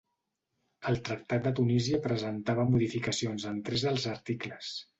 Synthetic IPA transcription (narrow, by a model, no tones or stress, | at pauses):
əlˠt̪ɾək̚t̪at̪̚d̪ət̪uniziəpɾəzənt̪aβəmuðifikəsionzənt̪ɾɛzðəlˠzəɾt̪ikləs